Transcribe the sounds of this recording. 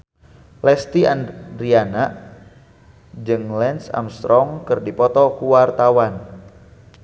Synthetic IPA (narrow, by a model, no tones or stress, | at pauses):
lɛst̪ianɾianaʔ | d͡ʒɨŋlɛnsa̰mst̪ɾɔŋkɨrdipɔt̪ɔkuwart̪awan